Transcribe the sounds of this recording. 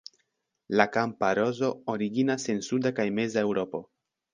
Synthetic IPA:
lakampaɾo̞zo̞oɾiɡinase̞nsudakajme̞zae̞wɾo̞po̞

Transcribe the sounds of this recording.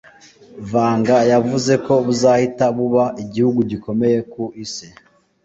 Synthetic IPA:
vaːŋɡajavuze̞ko̞βuzaːhitaβuβaʔiɟihuɡuɟiko̞me̞je̞kuʔise

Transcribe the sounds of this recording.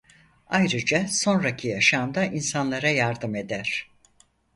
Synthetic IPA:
ajɾɯd͡ʒaso̞nɾacʰijaʃand̪aʔinsanlˠaɾajaɾd̪ɯme̞d̪æɾ̥

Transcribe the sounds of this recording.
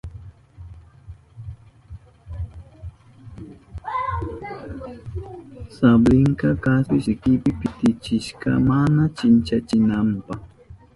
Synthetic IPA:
sablɪŋkɑkaspɪsɪkɪpɪpɪt̪ɪt͡ʃɪʃkɑ̰manat͡ʃɪnt͡ʃat͡ʃɪnampɑh

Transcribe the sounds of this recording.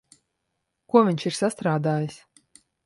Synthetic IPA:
kuɔvʲiɲʲt͡ʃiɾsast̪ɾaːd̪aːjis

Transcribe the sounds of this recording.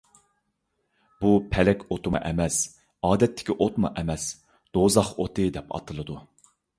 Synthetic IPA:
bupʰɛlɛkʲot̪ʰɨmɑ̰ʔɛmɛs | ɑːd̪ɛt̪ʰːɪ̥kʲiʔot̪mɑ̰ʔɛmɛs | d̪̥ozɑχot̪ʰɨd̪ɛpʰɑ̰t̪ʰɨlˠɨd̪u

